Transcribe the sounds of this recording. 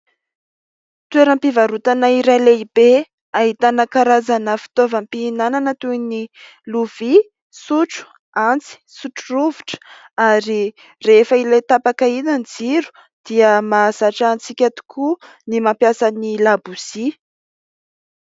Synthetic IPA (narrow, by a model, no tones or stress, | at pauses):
t̪ueɾəmpivaɾut̪anaiɾaleib̥e | aɦit̪anakaɾazanəfi̥t̪ovəmpiːnananət̪uini | luv̥i | suʈ͡ʂu̥ | ant͡si̥suʈ͡ʂuruvuʈ͡ʂə̥ | aɾi | refəilet̪apakainanid͡ziɾu̥ | d̪̥iəmazaʈ͡ʂant͡sikʲat̪u̥kʰu | nimampjasanilabusi